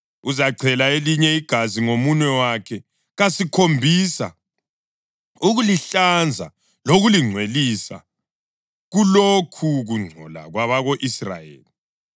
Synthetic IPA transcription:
uzaǀʰɛlaeliɲɛiɡ̥ʱaziŋomunɛwakʰɛ | ɣasikʰombʱisa̰ | uɣuliɬand͡zʱa̰ | loɣuliŋ͡ǀʱwelisa̰ | ɣulokʰuɣuŋ͡ǀʱɔ̰la̰ɣwaβaɣoʔisra̰jḛːli

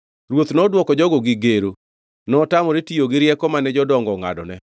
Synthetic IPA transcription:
ɾwot̪nɔdwɔkɔd͡ʒɔɡɔɡɪɡeɾo | nɔtamɔɾetijoɡɪɾjɛkɔmanɛd͡ʒɔdɔŋɡɔŋa̰dɔ̰nɛ

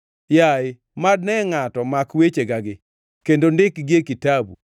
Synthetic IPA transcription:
jaɪ | madnɛŋatɔmakwet͡ʃeɡaɡɪ | kendondɪkɡekitabṵ

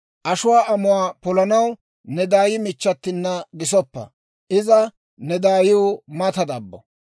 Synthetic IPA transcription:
ʔɐʃʊwaːʔɐmʊwaːpɔlɐnɐw | nɛd̪aːjɪmɪt͡ʃːɐt̪ːɪnːɐɡɪsɔpːɐ̰ | ʔɪzɐ | nɛd̪aːjɪwʊmɐt̪ɐd̪ɐbːɔ̰

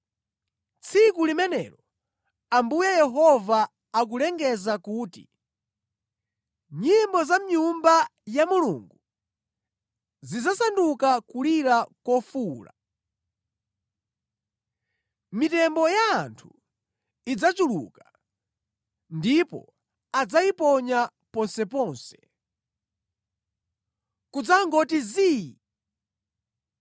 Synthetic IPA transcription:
t͡sʰikulimɛnɛ̰lɔ | ambujɛjɛɦɔvaː | k̬ulɛŋɡɛzakuːtḭ | ɲimbɔzam̩ɲumbajamulṵŋɡu | zid͡zasandukakuliɾakɔfuːla̰ | mitɛmbɔjaːntʰu | id͡zat͡ʃulṵka | ndipɔ̰ | ad͡zaipɔɲa | pɔnsɛpɔːnsɛ̥ | kud͡zaŋɡɔtiziːi

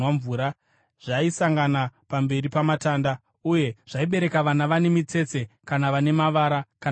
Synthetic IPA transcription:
aɱvuːɾa | ʐ̥aisaŋɡanapambe̞ripamataːnda | uje̞ʐ̥aiɓe̞ɾe̞kaʋanaʋane̞mit͡se̞t͡se̞kanaʋane̞maʋaːɾaka

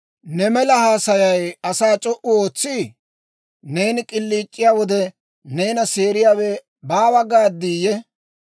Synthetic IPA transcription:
nɛmɛlɐhaːsɐjɐjɐsaːt͡ʃʼɔʔʊo̞ːt͡sːɪ | ne̞ːnɪkʼɪlːiːt͡ʃʼːɪjaːwɔd̪ɛ | ne̞ːnɐse̞ːɾɪjaːwɛ | baːbɐɡaːd̪iːjɛ

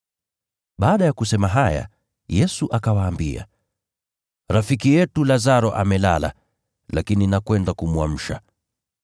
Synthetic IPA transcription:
ɓaːɗajakusɛmaɦaja̰ | jɛsuʔakawaːmbia̰ | ɾafikijɛtulazaɾɔʔamɛla̰la̰ | lakininakwɛndakumwam̩ʃa̰

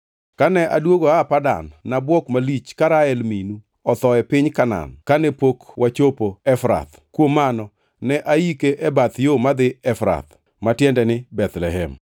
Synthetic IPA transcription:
kanɛʔadwoɡoapada̰nːabwɔkmalit͡ʃkaɾaɛlminu | ɔt̪ɔɛpɪɲkana̰nkanɛpokwʔat͡ʃopoɛfɾa̰t̪ | kwomanɔ | nɛʔaikeʔɛbat̪jomad̪ɪɛfɾa̰t̪ | matjɛndɛnɪbɛt̪lɛɦɛm

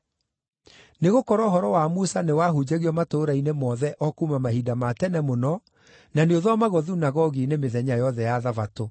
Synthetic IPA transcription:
neɣokɔɾɔɦɔɾɔwamusanewaɦud͡ʑeɣiɔmatoːɾainemɔðɛʔɔkumamahidamatɛnɛmonɔ | naneoðɔmaɣɔðunaɣɔɣinemeðɛɲajɔðɛjaðavato

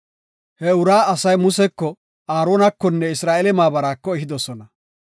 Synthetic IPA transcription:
hɛʊɾaːɐsɐjmʊsɛkːɔ | aːɾoːnɐkːɔnːɛɪsɾaːʔelɛmaːbɐɾaːkːɔɛɦɪd̪ɔsɔnɐ

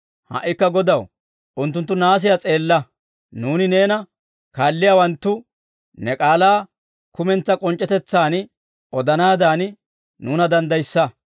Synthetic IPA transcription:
hɐ̰ʔːɪkːɐɡɔd̪ɐw | ʔʊnt̪̬ːʊnt̪ːʊnaːs̬ɪjat͡sʼe̞ːlːɐ | nuːnɪne̞ːnɐ | kaːlːɪjaːwɐnt̪ːʊ | nɛkʼaːlaː | kʊmɛnt͡sːɐkʼɔnt͡ʃʼːɛt̪ɛt͡sːaːn | ʔɔd̪ɐnaːd̪aːn | nuːnɐd̪ɐnd̪ɐjsːɐ

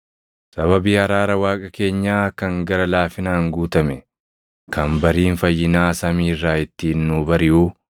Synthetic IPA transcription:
sɐβɐbiːɐɾaːɾɐwaːkʼɐke̞ːɲːaːkɐŋɡɐɾɐlaːfɪnaːŋɡuːt̪ɐmɛ | kʰɐmbɐɾiːnfɐjːɪnaːsɐmiːɪrːaːɪt̪ːinːuːbɐɾɪʔuː

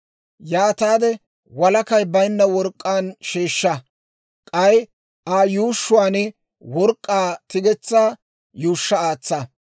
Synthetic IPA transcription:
jaːt̪aːd̪ɛ | wɐlɐkɐjbɐjnːɐwɔɾkʼːaːnʃeːʃːɐ | kʼɐj | ʔaːjuːʃːʊwaːnɪ | wɔɾkʼːaːt̪ɪɡɛt͡sːaː | juːʃːɐaːt͡sːɐ

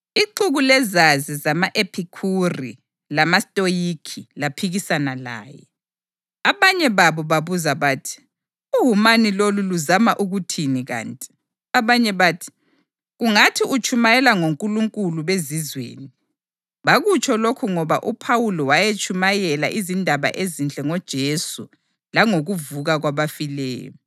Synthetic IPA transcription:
iǃuɣulɛzazizamaʔepʰikʰurḭ | lamastʼojikʰilapʰiɣisanala̰ːjɛ̰ | aβaɲɛβaβɔβaβuzaβaːtʰi̥ | uɦumaniloluluzamaʔuɣutʰiniɣa̰ːntʼi̥ | aβaɲɛβaːtʰi̥ | ɣuŋatʰiʔut͡ʃʼumajɛlaŋoŋkʼuluŋkʼuluβezizwḛːni | βaɣut͡ʃʰʼɔlokʰuŋɔβa̰ʔupʰawulɔwajet͡ʃʰʼumajɛla̰ʔizindʱaβa̰ʔezint͡ɬʼɛŋɔd̥ʒ̥ʱesṵ | laŋoɣuvuɣaɣwaβafilɛ̰ːjɔ̰ɔ

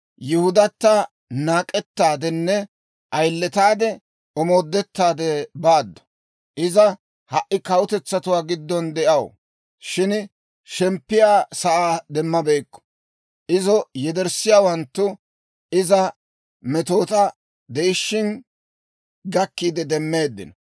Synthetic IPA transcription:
jʊhʊd̪ɐt̪ːa | naːkʼɛt̪ːaːd̪ɛnːɛ | ʔɐjlːɛt̪aːd̪ɛ | ɔmoːd̪ːɛt̪ːaːd̪ɛbaːd̪ːɔ̥ | ʔɪzɐ | hɐʔːɪkɐwʊt̪ɛt͡sːɐt̪ʊwaːɡɪd̪ːɔnd̪ɛʔɐw | ʃɪn | ʃɛmpːɪjaːsɐʔaːd̪ɛmːɐbejkːɔ̥ | ʔɪzɔjɛd̪ɛɾsɪjaːwɐnt̪ːʊ | ɪzɐ | mɛt̪o̞ːt̪ɐ | d̪ɛɪʃːɪn | ɡɐkːiːd̪ɛd̪ɛmːe̞ːd̪ːɪ̰nɐ

